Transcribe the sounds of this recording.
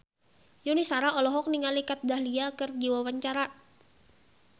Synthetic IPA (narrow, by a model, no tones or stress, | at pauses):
junisaɾaɔlɔɦɔk̚niŋalikat̪̚dahliakərd͡ʒiwawaɲt͡ʃaɾa